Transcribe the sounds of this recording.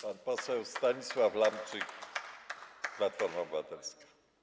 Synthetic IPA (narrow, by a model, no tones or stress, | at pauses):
panpɔsɛwst̪aɲiswaflampt͡ʂɨk | splat̪fɔɾmabɨvat̪ɛlskḁ